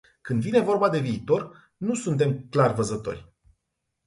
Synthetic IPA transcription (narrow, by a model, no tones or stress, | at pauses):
kɨnd̪vine̞vo̞rbad̪e̞viːt̪o̞r | nusunt̪̬e̞mklarvəzət̪o̞̰rʲ